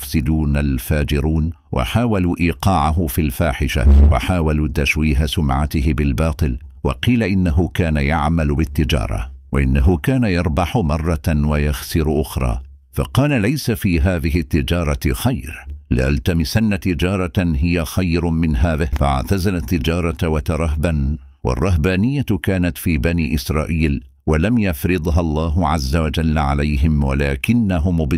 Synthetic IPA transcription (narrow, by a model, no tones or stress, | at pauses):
ʊfsɪd̪uːnalfaːd͡ʒɪɾuːn | wʔa̰ħaːwaluʔiːqɑːʕaɦʊfilfaːħɪʃa̰wa̰ħaːwaluːt̪aʃwiːɦasʊmʕat̪ɪhɪbɪlbɑːt̪ˤɨl | wɑ̰qiːlaʔɪnːaɦʊkaːnajaʕmalbɪt̪ːɪd͡ʒɑ̰ːɾˤɑ̰waʔɪnːaɦʊkaːnajɑɾˤbɑħʊmɑrˤːɑwajaxsɪɾʔʊxɾˤɑ̰ː | fa̰qɑːlalajsafiːɦaːðɪɦɪt̪ːɪd͡ʒɑːɾˤɑxajɾlɪ̰ʔalt̪amɪsanːat̪ɪd͡ʒɑːɾˤɑɦɪjaxajɾmɪnɦaːðɪhfaʔa̰ʕt̪azalat̪ːɪd͡ʒɑːɾˤɑwat̪ɑɾˤɑɦban | wɑ̰rˤːɑɦbaːnɪjːakaːnat̪fiːbaniːʔɪsɾˤɑːʔiːl | walamjafɾɨd̪ˤɦalˤːɑːɦʊʕazːawad͡ʒalːʕalajɦɪmwa̰laːkɪnːaɦʊmʊb